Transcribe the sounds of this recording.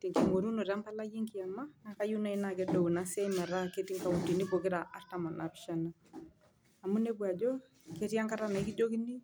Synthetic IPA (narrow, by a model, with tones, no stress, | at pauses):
ti˨ŋke˨ŋo˨ɾu˦no˨ɾa˦mpa˦la˦je˦ŋki˨a˨ma˦na˨ka˦ju˦na˦i˦na˨ke˦do˨u˨na˨˦sa˦i˦mɛ˨ɾa˦ke˦ti˦ŋka˨u˨ti˨ni˦po˨kɪ˦ɾa˨ʔa˦ɾta˦mɔ˨na̰˨pɪ̥˦ʃa˦na˨ | a˨mu˦ne˦bwa˨d͡ʒɔ˦ | ke˦ɾja˦ŋka˦ɾa˦na˨i˦ki˦d͡ʒo˦ki˦ni˦